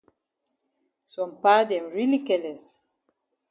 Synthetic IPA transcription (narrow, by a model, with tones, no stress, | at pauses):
sɔ̃˨mpa˦dɛ̃˨mɹili˦kɛlɛ˨s